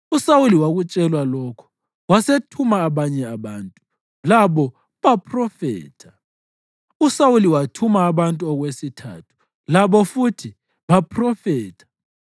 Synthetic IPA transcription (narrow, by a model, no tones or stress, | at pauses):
usawuliwaɣut͡ʃʼɛlwalɔkʰɔ̥ | wasetʰumaːβaɲɛaβaːntʼu | laβɔ | βapʰʼrɔfɛ̰ːtʰḁ | usawuliwatʰumaːβantʼuɔɣwesitʰa̰ːtʰu̥ | laβɔfutʰi | βapʰrɔfɛːtʰḁ